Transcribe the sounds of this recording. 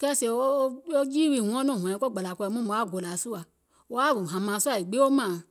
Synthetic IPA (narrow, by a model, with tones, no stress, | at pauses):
kɛ˧˦se˧˨o˦o˦o˦d͡ʒi˦wi˧˨ŋʷũ˨˧ɔ̃˦nɔ̃˦˨hɔ̃˨ɛ̃˨˧˦ko˦ɡ͡ba˨la˨kɔ˧i˧˨mũ˦mũ˧˦a˦˨ɡo˨la˨su˦a˨ | wo˧˦a˦˨ɡũ˨ɦã˨mã˨˧su˦a˨i˨ɡ͡be˦o˦mãː˨